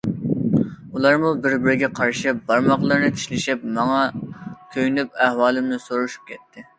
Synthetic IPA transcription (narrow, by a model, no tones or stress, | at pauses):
ulˠɑɾmubɪɾbɪɾɪɡʲɛqʰɑɾʃɪbɑɾmɑqlˠɨɾnɨt̪ʰi̥ʃlɪʃɪp̚mɑŋɑkʲʰøjnyp̚ɛhwɑːlˠɪmnɪsoɾuʃu̥p̚kʲʰɛt̪ʰːɪ